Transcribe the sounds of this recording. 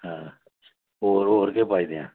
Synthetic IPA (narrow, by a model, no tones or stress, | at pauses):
ɦãː | oːɾoːɾkepaːid̪ejã̰ː